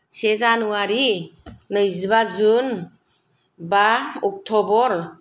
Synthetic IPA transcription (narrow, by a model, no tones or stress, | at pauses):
sezanuaɾinɯjzibazun | baɔk̚tʰɔbɔɾ